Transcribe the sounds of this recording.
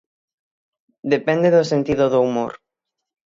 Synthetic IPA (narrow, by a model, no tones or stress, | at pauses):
d̪epɛnd̪eðosent̪iðoðoumo̰ɾ